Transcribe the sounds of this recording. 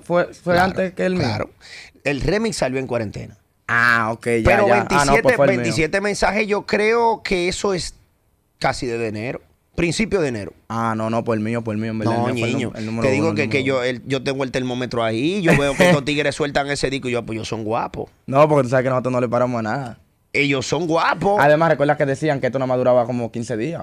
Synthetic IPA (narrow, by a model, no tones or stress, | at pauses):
fwefweant̪eskelmilaɾo̰elremiksaljo̞e̞ŋkwaɾe̞nt̪e̞̰na | aokejeɾoβaeniasnetp̪ebent̪is̬je̞t̪emẽnsaheʝo̞kɾe̞okʰe̞eso̞es | kasiðeðeneɾo | pɾinsipjoðeneɾoanõnopwoselmĩɲop̬oelmioembeɾnaɲĩɲoelnumeɾt̪eðiɣokekeʝoelɟ͡ʝo̞t̪eŋɡoelt̪eɾmõmet̪ɾoaiʝoβeokeot̪iɣeɾeswe̞lt̪aŋe̞seðikoʝopoʝosoŋɡwa̰po̰ | nopoɾket̪usaβekenosot̪ɾonolepaɾamosanaða | e̞ʝosːo̞ŋɡwapoaðemasrekweɾðahkeðesiaŋkeet̪onomaðuɾaβakomokinseðia